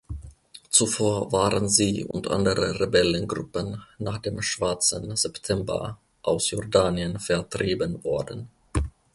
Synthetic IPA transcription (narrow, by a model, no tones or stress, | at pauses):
t͡sufoːɐvaːʁənziːʊ̰ntʔa̰ndəʁəʁebɛlənɡʁʊ̰pənːaːχd̥eːmʃv̥aɐt͡sənz̥ɛptʰɛmbɐ̰ | ʔaʊsjɔɐdaːnjənfɛɐtʁ̥iːbənvɔɐdən̩